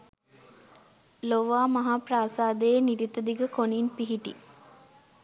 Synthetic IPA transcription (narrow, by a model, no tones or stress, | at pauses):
loʋaːmɐɦaːpraːsaːd̪əeniɾit̪əd̪iɡəkoninpiɦiʈḭ